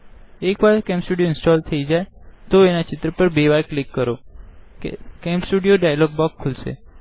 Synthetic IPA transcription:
ekʋaɾkɛ̃mpsʈuɽijoɪnsʈɔlt̪ʰəid͡ʒajt̪oenat͡ʃɪt̪ɾəpəɾbeʋajklikːəɾokḛkɛmpsʈuɽijoɖajalɔɡ̚bɔkʰːulʃḛ

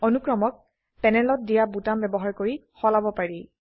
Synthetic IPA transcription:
onukɹɔmɔk̚ | pɛnɛlɔt̚dijabutambɛbɔɦaɹkoɹixɔlabɔpaɹi

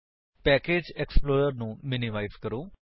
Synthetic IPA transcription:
pɛːkeːd͡ʒɛksploːɾəɾnũːmɪnɪmaːɪzkəɾoː

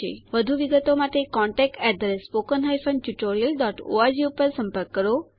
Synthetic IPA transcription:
ḛʋəd̪ʱuʋiɡət̪omaʈekɔɳʈɛk̚ʈɛd̪ɾespokənɦajfənʈjuʈoɾijəlɖɔʈo̰ad͡ʒiupəɾsə̃mpəɾkːəɾo

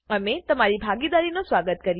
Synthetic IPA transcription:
ɐmẽt̪ɐmãd͡ʑibʱaːɡiːd̪aːɾinõsʋaːɡət̪kɐɾi

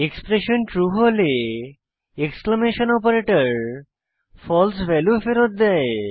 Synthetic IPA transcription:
ekspɾeʃənʈɾuɦole | ekskləmeʃənɔpəɾeʈəɾ | fɔlsʋɛlufeɾot̪̚d̪ɛj

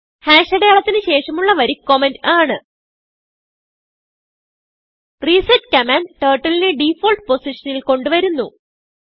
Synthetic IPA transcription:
haːʂɐɽejaːɭɐt̪ːinɨɕe̞ːʂɐmuɭːɐʋɐɾikːomendaːɳɨ | risɐtkɐmaːnʈeːʈːɐlineɖifoːlʈ̚po̞siʂɐnilko̞ɳɖuʋɐɾunːu

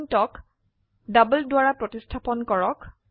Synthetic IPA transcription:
ntɔk | dabəldwaɹapɹɔtistʰapɔnkɔɹɔk

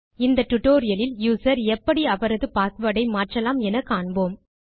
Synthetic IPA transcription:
ɪnd̪ɐʈːʊʈːoːɾɪjɐlɪljuːsɐɾɛpːɐɽiɐʋɐɾɐðɯpaːɾkɯʋɐɽɐɪmaːʈrɐlaːmɛnɐkːaːɳboːm

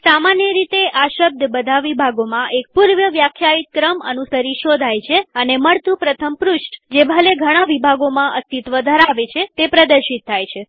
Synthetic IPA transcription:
samanjəɾit̪eʔaʃəb̚d̪ʱbəd̪ʱaʋibʱaɡomãʔek̚puɾʋjəʋjakʰjait̪̚kɾəmə̰nusəɾiʃod̪ʱajt͡ʃʰeəneməɭt̪ũpɾət̪ʰəmpɾʊʃʈd͡ʒebʱəleɡʱəɽ̃aʋibʱaɡomãʔəst̪it̪ʋəd̪ʱəɾaʋet͡ʃʰet̪epɾəd̪əɾʃit̪ʰːajt͡ʃʰe

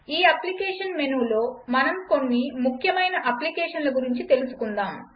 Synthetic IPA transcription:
iːɐplikɛːʂɐnmenulo̞ːmɐnɐmko̞nːimukʰjɐmɐjnɐʔɐplikɛːʂɐnlɐɡuɾiɲt͡ʃit̪e̞lusu̥kund̪aːm

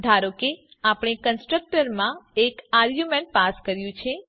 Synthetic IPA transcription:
d̪ʱaɾoke | apɽ̃ekənsʈɾək̚ʈəɾmãekaɾɡjumeɳʈ̚paskəɾjũt͡ʃʰe

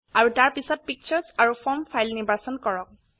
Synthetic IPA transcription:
aɹutaɹpisɔt̚pik̚t͡ʃʰɔɹsaɹupʰɔɹmfʰajlnibasɔnkɔɹɔk̚

